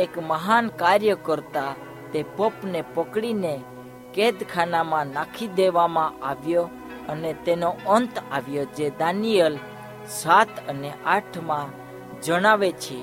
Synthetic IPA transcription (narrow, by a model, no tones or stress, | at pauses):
ekməɦankaɾjəkəɾt̪a | t̪epəpnepəkɽine | ked̪kʰanamãnakʰid̪eʋamãaʋjo | ənet̪enoənt̪aʋjod͡ʒed̪anijəl | sat̪ʰəneʔaʈʰmã | d͡ʒəɽ̃aʋet͡ʃʰe